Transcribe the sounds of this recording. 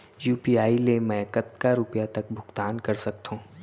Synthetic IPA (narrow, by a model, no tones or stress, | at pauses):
juːpiaːilemɛ̃ːkɐt̪kaɾʊpjat̪ɐk̚bʱʊɡt̪aːnkɐɾsɐk̚t̪ɦũː